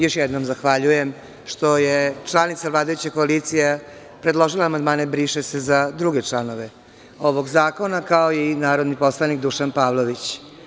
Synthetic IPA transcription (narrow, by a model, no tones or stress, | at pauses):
jo̞ʃjɛd̪nomzaxʋaʎujem | ʃt̪o̞jet͡ʃlˠanit̪savlˠaːd̪ajut͡ɕekoalit̪sija | pɾed̪lo̞ʒilaːmand̪maːnebɾiːʃesezad̪ɾuɡet͡ʂlano̞ʋe̞ | o̞ʋoɡzaːko̞nakaoinaːɾod̪nipo̞slˠanikd̪uʃanpaːʋlˠoʋit͡ɕ